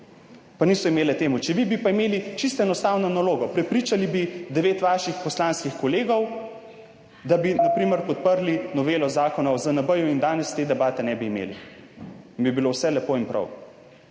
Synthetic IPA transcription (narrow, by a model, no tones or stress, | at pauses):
paniːsɔimeːlɛt̪eːmut͡ʃɛʋibipaimeːlit͡ʃist̪ɛnɔst̪aːwnɔnaloːɡɔpɾɛpɾiːt͡ʃalibid̪ɛʋeːt̪ʋaːʃixpɔslanskixkɔleːɡɔw | d̪abinapɾiːmɛɾpɔt̪̚pəɾlinɔʋeːlɔzaːkɔnɔwzɐnabəjɔind̪aːnɛst̪eːd̪ɛbaːt̪ɛnɛbiːmḛli | inbibilowsɛlɛpoinpɾɐ̰w